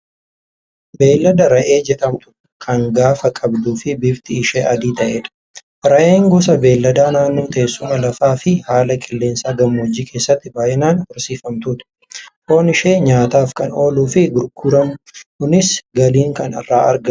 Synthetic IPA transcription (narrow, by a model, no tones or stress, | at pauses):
be̞ːlːɐd̪ɐɾɐʔeːd͡ʒɛᶑɐmt̪ʊ̥ | kʰɐŋɡaːfɐkʼɐbd̪uːfɪbɪbt̪ɪːʃeːʔɐd̪iːt̪ɐʔeːᶑɐ̥ | ɾɐʔe̞ːŋɡɔsɐbe̞ːlːɐd̪aːnaːnːoːt̪ɐeeːsːʊmɐlɐfaːfɪhaːlɐkʼɪlːeːnsaːɡɐmːoːd͡ʒiːkʰe̞ːsːɐt̪ːɪbaːjʔɪnaːnhɔɾsiːfɐmt̪ʊᶑ̪ɐ̥ | ʔo̞ːnɪʃeːɲaːt̪aːfkɐno̞ːluːfɪɡʊɾɡʊɾɐmʊhʊnɪsɡɐliːŋkɐnɐ̰rːaːɐ̰ɾɡɐ